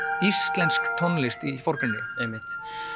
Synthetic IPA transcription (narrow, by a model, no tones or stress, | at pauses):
ist̪lɛnskt̪ʰɔnlɪst̪ifoɾ̥kɪnːɪ̰emːɪht̪